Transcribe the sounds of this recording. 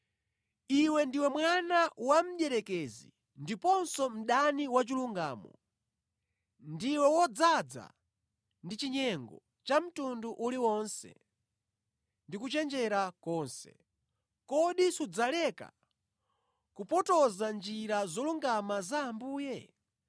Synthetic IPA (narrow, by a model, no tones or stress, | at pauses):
iwɛndiwɛmwanawam̩ʄɛɾɛkɛzḭ | ndipɔnsɔm̩ɗaniwat͡ʃiluŋɡaːmɔ̰ | ndiwɛwɔd͡zad͡za̰ | ndit͡ʃiɲɛŋɡɔ | t͡ʃam̩tunduʔuliwɔnsɛ̰ | ndikut͡ʃɛnd͡ʒɛɾakɔnsɛ̰ | kɔɗisud͡zalɛka̰ | kupɔtɔzand͡ʒiɾazɔluŋɡamazaːmbuːjɛ